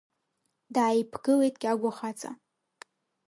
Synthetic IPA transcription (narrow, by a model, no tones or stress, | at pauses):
daːjipʰɡɨle̞jtʼɡʲaɡʷaχat͡sʼa̰